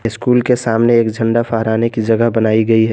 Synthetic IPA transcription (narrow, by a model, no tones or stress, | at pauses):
ɪskuːlkesaːmneeːkd͡ʒʱə̃ɳɖapʰəɦɾaːnekid͡ʒɐɡəɦbənaːiɡɐiɦɛ